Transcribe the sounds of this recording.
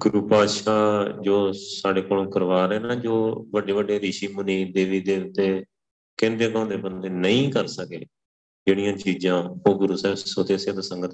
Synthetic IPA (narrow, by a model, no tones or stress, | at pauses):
ɡʊɾuːpaːd̪ʃaːd͡ʒoːsaːɽeːkoːlkəɾʋaːɾɛːnaːd͡ʒoːbəɖeːʋəɖeːɾiːʃiːmʊniːd̪eːʋiːd̪eːt̪eː | kẽːnd̪eːkãːnd̪eːbənd̪eːnəĩːkəɾsəkḛː | d͡ʒeːɽijãːt͡ʃiːd͡ʒãːoːɡʊɾuːsɛːssoːt̪eːseːt̪asə̃ŋɡət̪